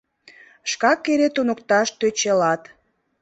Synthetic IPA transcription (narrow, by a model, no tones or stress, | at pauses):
ʃkɑkːeɾet̪unokt̪ɑʃt̪øt͡ɕelɑt̪